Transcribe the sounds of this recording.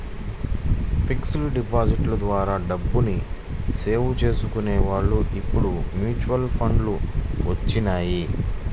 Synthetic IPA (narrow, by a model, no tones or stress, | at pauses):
pʰiksluɖipaːsiʈlɐd̪ʋaːɾaːɖɐbːunise̞ːʋut͡ʃe̞ːsukuneːʋaːɭːuʔipːuɽumjuːt͡ʃuʋɐlpʰɐɳɖluʋɐt͡ʃːinaːji